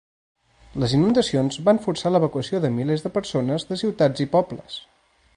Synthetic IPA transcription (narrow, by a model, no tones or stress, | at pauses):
ləzinund̪əsionzbaɱfursaləβ̞əkuəsioðəmilezðəpəɾsonəzðəsiwt̪ad͡zipɔbləs